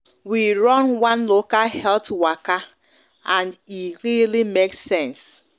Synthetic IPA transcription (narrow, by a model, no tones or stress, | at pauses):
wiɾɔnwanlokalhɛltwaka | ãniɾilimeksɛ̃ns